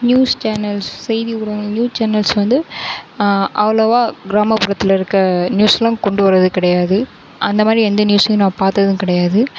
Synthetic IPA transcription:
njuːst͡ʃaːnɐlsːɛjðiʊɽɐ̃njuːst͡ʃaːnɐlsʋɐnd̪ɯ | ʔɐʋɐlɐʋaːɡɪɾaːmɐpɯɾɐt̪ːɪlɐɪɾɯkːɾɐnjuːsɐlɐ̃kɔɳɖɯʋɐɾːɐðɯkɪɽɐjaːðɯ | ʔɐnd̪ɐmaːd̪ɾiɛnd̪ɐnjuːsɐnãːpaːɾt̪ɐðɯ̃kɪɽɐjaːðɯ

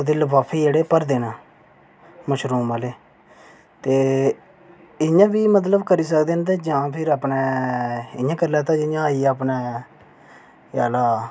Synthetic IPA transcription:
od̪eːləbaːpʰːiːd͡ʒeːɽeːpəɾd̪eːnãː | məʃɾuːmaːleː | t̪eː | ɪjãːbiːmət̪̬ləbkəɾiːs̬əkd̪eːnt̪eːd͡ʒãːpʰɪɾaːpneː | ɪ̰jãːkəɾlaːt̪ãːd͡ʒɪjãːiːaːpnaː | jaːlaː

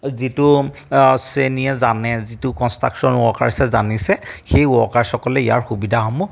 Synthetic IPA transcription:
zitu | seniɛzanɛzitʊkɔnstɹa̰ksɔnuɔkaɹisɛzanisɛxejuɔkaɹsɔkɔlɛija̰ɹxubidʱaɦɔmu

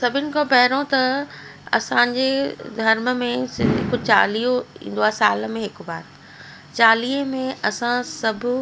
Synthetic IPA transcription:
sɐbʱɪnɪ̆kõpɐɦɪɾõt̪ɐ | ɐ̰sãːɲd͡ʑed̪ʱɐɾməmẽkʊt͡ɕa̰ːliːoḭ̃ːn̆d̪oaːsaːlmẽɦɪkbaːt̪ | t͡ɕaːliːəmẽɐsãsɐbʱ

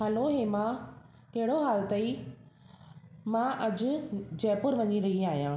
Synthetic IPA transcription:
ɦɐloɦeːmãː | kɐɦɪɽoɦaːlt̪ɐi | mãʔɐd͡ʑʊ̆d͡ʑɛːpʊɾʋɐɲiɾɐɦiaːɦijãː

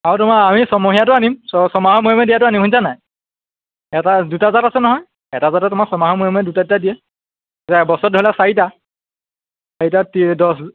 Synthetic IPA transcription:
aɹɔtʊmaamisɔmoɦijatʊanimsɔsɔmaɦɔmuɔmɛdijatʊanimunsanaj | ɛtadutazatasɛnɔɦɔj | ɛtazatɔtʊmaksɔmaɦɔmujɔmɛdutaditadijɛ | tabɔsɔt̚dʱɔlasaɹita | saɹitatidɔs

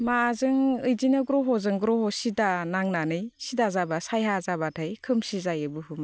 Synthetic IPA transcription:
mazɯŋɯjdinɯɡɾɔɦɔzɯŋɡɾɔɦɔsidanaŋnanɯjsidazabasajɦazabatʰajkʰɯmsizajɯbɯhuma

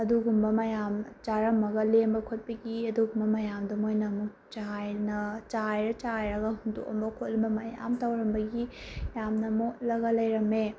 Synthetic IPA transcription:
ɐduɡumbɐmɐjamt͡ʃaɾɐmːɐɡɐlembɐkʰot̚pɐɡiɐduɡumbɐmɐjamdɐmojnɐmuk | t͡ʃajnɐt͡ʃajɾɐt͡ʃajɾɐɡɐɦundo̰kɐ̰mbɐkʰot̚lɐmbɐmɐja̰mtɐwɾɐmbɐɡijamnɐmot̚lɐɡɐlɐjɾɐme

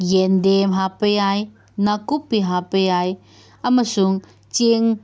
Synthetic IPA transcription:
jɛndemɦapəjaj | nakupːiɦapəjaj | amasuŋ | t͡ʃeŋ

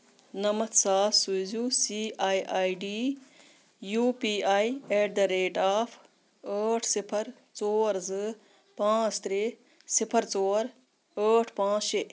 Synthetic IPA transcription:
nɐmɐt̪ʰsaːsuzusiːaːjʔaːiɖiː | juːpiːaːieʈd̪ɐɾeːʈaːpʰ | əːʈʰsɪpʰɐɾ | t͡soːɾzɨ | pãːt͡st̪ɾe | sɪpʰəɾt͡soːɾ | əːʈʰpãːt͡sʃe

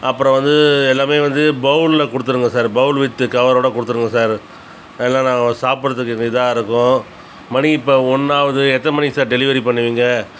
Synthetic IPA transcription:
ɐpːɯɾɔ̃ʋɐnd̪ɯɛlːaːmeːʋɐnd̪ɯbɐʊllɐkʊɽɯt̪̬ːɯɾɯŋɡɐsaːɾbɐʊlʋɪt̪ːɯkɐʋɐɾoːɽɐkʊɽɯt̪ːɯɾɯŋɡɐsaːɾ | ɛlːãːnãːɐsaːpɯɾɐðɯkːɯɛŋɡɪt̪ãːɪɾɯkːʊ̃ | mɐɳiɪpːoːɔɳːaːʋɐðɯɛt̪ːɐmɐnisaːɾɖɛlɪʋɐɾipɐɳːɯʋiːŋɡɐ

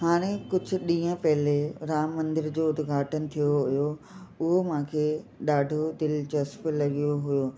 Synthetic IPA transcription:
haːɽ̃ekʊd͡ʑʱʊ̆ɗĩːə̃pɐɦɪleɾaːmːɐ̃nd̪ɪɾd͡ʑoːʊd̪ɪɡʱaːʈənɪ̆t̪ʰijoɦʊjo | ʊɦomãːkʰeːɗaːɖʱod̪ɪlt͡ɕɐsp̆lɐɡijoɦʊjoː

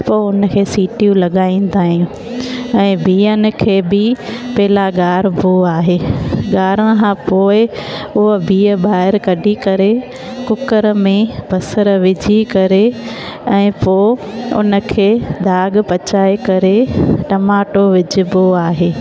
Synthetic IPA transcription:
poːʊnəkʰeːsiːʈijũlɐɠaːĩn̆d̪aːɦĩũ | ɛ̃ːbʱiːən̆kʰeːbɪpɐɦɪlaɡaːɾbʱoaːɦeːɠaːɾəkʰãːpoːɪʊɦəbiːəɓaːɦɪɾkɐɖikɐɾe | kʊkəɾəmẽb̥ʱɐsəɾʋɪd͡ʑʱikɐɾe | ɛ̃ːpoːʊ̰nə̆kʰeːd̪ʱaːɡ̆pɐt͡ɕaːekɐɾeʈɐmaːʈoʋɪd͡ʑɪ̆boaːɦeː

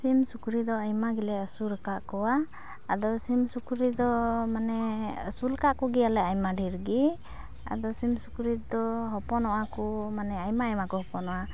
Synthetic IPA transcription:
simsukɾid̪ɔajmaɡilɛəsuɾəkaʔkɔwaː | d̪ɔsimsukɾid̪ɔmanɛəsuləkaʔkɔɡialɛajmaɖʱiɾɡi | a̰d̪ɔsimsukɾid̪ɔɦɔpɔnɔwakumanɛajmaəjmakɔɦɔpɔnɔwa

